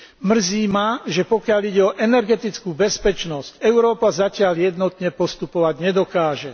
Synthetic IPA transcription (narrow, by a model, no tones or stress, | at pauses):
mr̩ziːmaʒɛpɔkɪaliɟɛɔʔɛnɛɾɡɛt̪it͡skuːbɛspɛt͡ʃnɔscɛʊɾɔːpazacɪaʎjɛd̪nɔt̪ɲɛpɔst̪upɔʋaɟɲɛd̪ɔkaːʒɛ